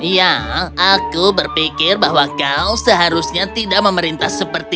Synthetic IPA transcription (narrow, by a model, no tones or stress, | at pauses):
jaakubərpikɪrbaɦwakalsəɦaɾusɲat̪idaʔ̚məməɾint̪ahsəpərt̪i